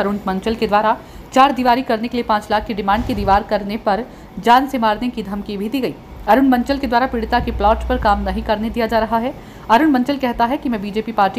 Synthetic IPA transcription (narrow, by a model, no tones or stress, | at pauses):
ɐɾʊɳmɐ̃ɲt͡ʃəlked̪waːɾa | t͡ʃaːɾd̪iʋaːɾikɐɾnekeliepãːt͡ʃlaːkʰːeɖɪmãːɳɖ̚ked̪iːʋaːɾkɐɾnepɐɾ | d͡ʒaːnsemaːɾnekid̪ʱɐmkibʱid̪iːɡɐiː | ɐɾʊɳmɐ̃ɲt͡ʃəlked̪waːɾapɪɽt̪akeplɔːʈpɐɾkaːmnɐɦĩkɐɾned̪ijad͡ʒaːɾɐɦaɦɛ | ɐɾʊɳmɐ̃ɲt͡ʃəlkɛɦt̪aɦɛkimɛ̃ːbiːd͡ʒeːpipaːɾʈi